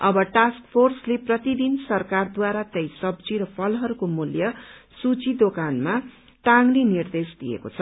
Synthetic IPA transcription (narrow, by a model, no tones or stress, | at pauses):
ʌbʌʈaskpʰorsleprʌt̪id̪insʌrkard̪waɾat̪ʌjsʌbd͡ziɾʌpʰʌlɦʌɾukomuljʌsut͡sid̪okanma | ʈaŋlinird̪esd̪ijḛko̰t͡sʰʌ